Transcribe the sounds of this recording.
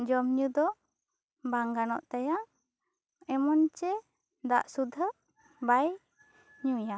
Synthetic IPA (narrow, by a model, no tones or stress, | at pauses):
d͡ʒɔmɲud̪ɔ | baŋɡanɔ̰ʔt̪ajaʔ | ɛmɔnt͡ʃɛ | d̪aʔsud̪ʱə | baj | ɲuja